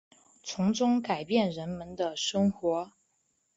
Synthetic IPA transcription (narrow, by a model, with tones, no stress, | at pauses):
t͡sʰʊ˧˥ŋʈ͡ʂʊ˥ŋka˨˩ɪpjɛ˥˩nɻə˧˥nmə˧˥nd̪ə˧ʂɤ˥ŋxwɔ˧˥